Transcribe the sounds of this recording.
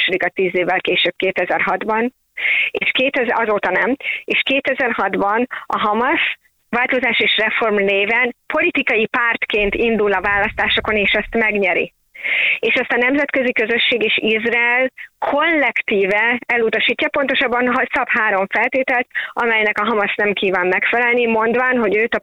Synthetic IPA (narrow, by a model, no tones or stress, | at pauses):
ʃod̪ikɒt̪iːzeːvːɛlkeːʃøb̥̚keːt̪ɛzɛrɦɒd̪bɒn | eːʃkeːt̪ɛzɒzoːt̪ɒnɛmeːʃkeːt̪ɛzɛrɦɒd̪bɒnɒ̰ɦɒmɒs | ʋaːlt̪o̞zaːʃeːʃrɛfo̞rmneːvɛnpo̞lit̪ikɒjipaːrt̪keːnt̪ind̪ulɒvaːlɒst̪aːʃo̞ko̞neːʃɛst̪mɛɡɲɛɾḭ | eːʃɛst̪ɒnɛmzɛt̪kø̞zikø̞zø̞ʃːeːɡeːʃizraɛlkʰo̞lːɛkt̪iːvɛɛlut̪ɒʃiːcːɒpo̞nt̪o̞ʃɒbːɒnɦɒsɒpɦaːɾo̞ɱfɛlt̪eːt̪ɛlt̪ɒmɛjnɛkɒɦɒmɒsnɛmkiːvaːmːɛkfɛlɛlnimo̞nd̪vaːnɦo̞ɟøːt̪ɒ